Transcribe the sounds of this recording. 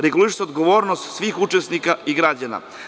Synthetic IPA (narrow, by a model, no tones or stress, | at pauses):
ɾeɡuliʃseod̪ɡoʋoːɾnost̪sʋiːxut͡ʂesnikaiɡɾad͡ʑana̰